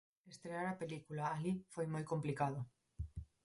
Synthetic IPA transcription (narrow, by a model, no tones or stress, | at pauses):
est̪ɾeaɾape̞likulaːlifwe̞jmojko̞mplikaðo